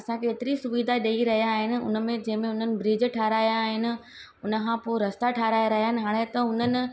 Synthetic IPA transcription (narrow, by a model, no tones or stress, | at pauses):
ɐsãkʰeːt̪ɪɾisʊʋiːd̪ʱaɗeiɾɐɦijaːɦɪnɪ̆ʊ̰nə̆mẽd͡ʑɐ̃ɦɪ̃mẽʊn̤ənɪ̆bɾiːd͡ʑʈʰaːɾaːjãːɦɪnɪ̆ | ʊnə̆kʰãpoːɾɐst̪aʈʰaːɾaːjaɾɐɦjaːɦɪnɪ̆ɦaːɽ̃et̪ɐɦʊnənɪ̆